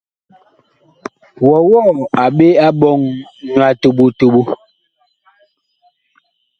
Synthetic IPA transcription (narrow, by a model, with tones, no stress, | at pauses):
wɔ˨wɔ˦˨a˨ɓe˦a˦ɓɔ˦˨ŋɲwa˨tu˨ɓu˦tu˨ɓu˦